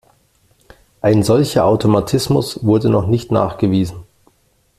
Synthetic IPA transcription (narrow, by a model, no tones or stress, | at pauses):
ʔaɪnzɔlçɐʔaʊtʰomatʰɪsmʊsv̥ʊɐdənɔχnɪçtna̰ːχɡ̥əviːzn̩